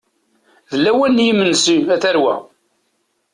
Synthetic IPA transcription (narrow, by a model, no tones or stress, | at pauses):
ðəlːæwænːjimənːsiæθæɾwæ̰